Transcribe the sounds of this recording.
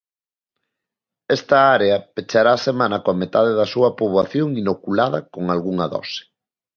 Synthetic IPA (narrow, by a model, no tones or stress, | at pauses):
ɛst̪ɐaɾeɐpet͡ʃaɾaːsemãnɐkoamet̪aðeðɐsuɐpoβwaθjoŋinokulaðɐkoŋalɣuŋɐðɔ̰sɪ̥